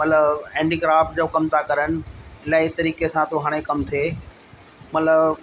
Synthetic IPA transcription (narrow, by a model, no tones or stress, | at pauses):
mɐt̪ləbɛ̃ːɳɖiːɡɾaːfʈ̚d͡ʑoːkɐmt̪ʰakɐɾənɪ̆ɪlaːit̪ɐɾiːkesãt̪oɦaːɽ̃ekɐmt̪ʰeː | mɐt̪ləb